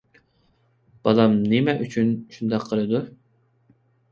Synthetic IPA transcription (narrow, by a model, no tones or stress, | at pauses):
b̥ɑlˠɑmnɪmɛʔyt͡ʃʰynʃund̪ɑqʰːəlˠɨd̪u